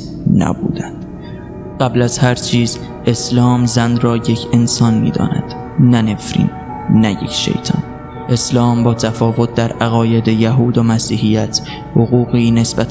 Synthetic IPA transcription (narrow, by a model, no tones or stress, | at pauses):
næ̰bṵːd̪ænd̪̥ | ɢ̥æblæzhæɾt͡ʃʰiːz | ʔe̞slɒːmzænrɒːje̞cʰe̞nsɒːnmḭːd̪ɒ̰ːnæ̰d̪̥ | næne̞fɾḭːnː | æjḛkʰʃḛjt̪ʰɒ̰n | ʔe̞slɒːmbɒːt̪ʰæfɒːvo̞t̪̚ʰd̪æɾæɣɒːje̞d̪ejæɦuːd̪omæsiːhijæt̪ʰ | hoɣuːɣiːne̞sbæt̪